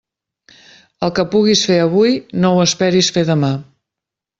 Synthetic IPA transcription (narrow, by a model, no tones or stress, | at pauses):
əlˠkəpuɣisfeəβ̞ujnowəspɛɾisfeðəma